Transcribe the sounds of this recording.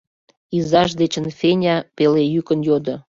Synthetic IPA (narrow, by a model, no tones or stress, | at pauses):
izɑʃ̬d̪et͡ɕə̆nfenʲɑpelejykənjod̪ŏ